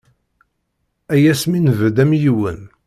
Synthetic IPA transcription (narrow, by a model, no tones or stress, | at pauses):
æjæsminvd̪æmjiwə̰n